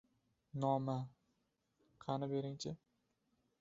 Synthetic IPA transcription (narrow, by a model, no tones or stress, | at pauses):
nɒma | qʰɑnɪbe̞ɾɪŋt͡ʃʰɪ